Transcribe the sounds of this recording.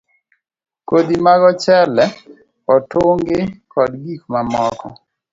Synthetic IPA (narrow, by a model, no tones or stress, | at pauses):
kod̪imaɡɔt͡ʃɛlɛ | ɔtʊŋɡɪkɔdɡikmamɔkɔ̰